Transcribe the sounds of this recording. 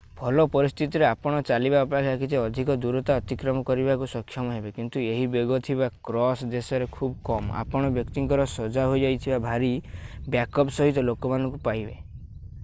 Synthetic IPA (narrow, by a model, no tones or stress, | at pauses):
bʱɔlɔpɔɾist̪ʰit̪iɾeapɔɽ̃ɔt͡ʃalibaɔpakʰakʰit̪eɔd̪ʱikɔd̪uɾɔt̪aɔt̪ikɾɔmɔkɔɾibakusɔkʰjɔmɔɦebekint̪ueɦibeɡɔt̪ʰiβakɾɔsd̪esɔɾekʰubɔkɔmɔa̰pɔɽ̃ɔbjɔkt̪iŋkɔɾɔsɔd͡ʒaɦojd͡ʒajt̪ʰibabʱaɾibjakɔpsɔɦit̪ɔlokɔmanɔŋkupaɦibḛ